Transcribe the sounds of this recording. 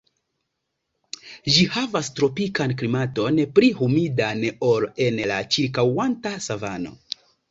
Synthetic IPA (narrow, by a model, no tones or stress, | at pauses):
ʒihavastɾo̞pikanklimato̞npɾihumidanoɾe̞nlat͡ʃiɾkawantasavano̞̰